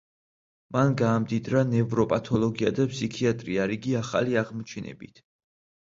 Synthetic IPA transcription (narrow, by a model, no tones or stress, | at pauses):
manɡaːmd̪id̪ɾanɛvɾɔpʼat̪ʰɔlˠɔɡiad̪apʰsikʰiat̪ʼɾiaɾiɡiaχa̰liaʁmɔt͡ʃʰɛnɛ̰bit̪ʰ